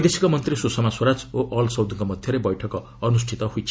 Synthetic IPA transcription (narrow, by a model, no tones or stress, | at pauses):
jd̪esikomʌnt̪risusʌmaswoɾad͡zoʔʌlsʌwd̪ʱuŋkomʌd̪ʱjʌɾebʌjʈʰʌk | ʌnusʈʰit̪ʌɦujt͡sʰi̥